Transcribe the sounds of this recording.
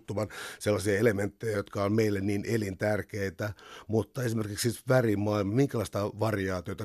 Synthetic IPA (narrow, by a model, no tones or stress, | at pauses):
t̪ːumɑnselːɑsiɑelement̪ːejæjot̪kɑonmeilːenniːnelint̪ærkeit̪æmut̪ːɑesimerkiksit̪ʋærimmɑilmɑmiŋkælɑist̪ɑʋɑrijɑːt̪iot̪ɑ